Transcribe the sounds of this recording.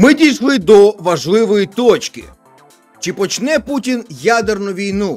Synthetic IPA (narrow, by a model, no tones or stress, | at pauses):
mɪdʲijʃlˠɪd̪ɔʋɐʒlˠɪʋɔjit̪ɔt͡ʃkɪ̰ | t͡ʃɪpɔt͡ʃnɛputʲinjad̪ernʊʋʲijnu